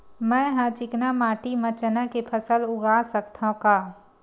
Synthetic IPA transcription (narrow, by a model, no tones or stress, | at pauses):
mɛ̃ɦãt͡ʃɪknamaːʈimɐ̃t͡ʃənakepʰəsəlʊɡaːsək̚t̪ʰaɦkaː